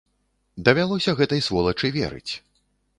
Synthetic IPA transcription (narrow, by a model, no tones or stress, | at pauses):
d̪ɐvʲalˠɔsʲɐɣɛt̪ɐjsvɔlˠɐt͡ʂɨvʲɛ̰ɾɨ̰t͡sʲ